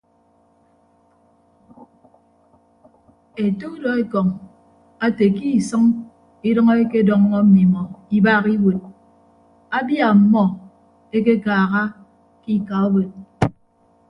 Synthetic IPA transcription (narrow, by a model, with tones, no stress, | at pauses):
e˨to˦dɔ˨e˦kɔ˨ŋ | a˦te˨ki˦˨sʌ˦ŋ | i˦dʌ˦ŋɔ˦e˦ke˦dɔ˨ŋ˦ŋɔ˦m̩˦mi˨mɔ˨i˦ba˦ɣi˦wo˨t̚ | a˦bja˨m̩˦mɔ˦ | e˦k̬e˦kaː˨ɣa˦ | ki˦ka˨o˦bo˨t̚